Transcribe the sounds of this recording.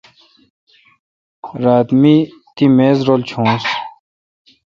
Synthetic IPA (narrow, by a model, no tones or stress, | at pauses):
ɾaːt̪mit̪imeːzɾoːlt͡ɕʰõːs